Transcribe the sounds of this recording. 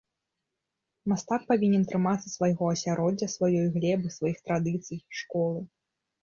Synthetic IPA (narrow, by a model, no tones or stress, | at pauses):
mast̪ak̚pavʲinʲɛnt̪ɾɨmat̪sːɐsvajɣɔɐsʲaɾɔd͡zʲːɐsvajɔjɣlʲɛbɨsvajixt̪ɾad̪ɨt̪sɨjiʂkɔlˠɨ